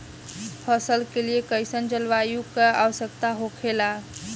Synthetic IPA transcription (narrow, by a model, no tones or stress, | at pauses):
pʰəsəlkeliekəjsənd͡ʒəlʋajukəa̰ʋəsək̚t̪aɦokʰela